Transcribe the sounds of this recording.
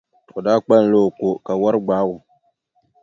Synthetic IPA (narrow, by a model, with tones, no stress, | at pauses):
o˨daː˦k͡pa˦n˨lo˦˨ko˨ka˨wa˦ɾɨ˦ɡ͡baː˦wʊ˨